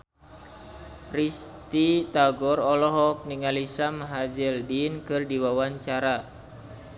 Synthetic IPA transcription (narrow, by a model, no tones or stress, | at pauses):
rist̪it̪aɡɔrɔlɔɦɔk̚niŋalisamaɦad͡ʒildinkɨrdiwawaɲt͡ʃaɾa